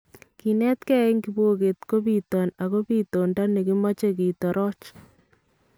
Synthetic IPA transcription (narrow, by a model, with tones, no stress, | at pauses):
ki˨nɛ˦t̪kɛ˦eŋɡi˨bo˦ke˨t̪ko˦pitɔ˨na˨ko˦piː˦to˨nda˦ne˨ki˦ma˦t͡ʃe˦ki˨tɔ˨ɾɔː˦t͡ʃ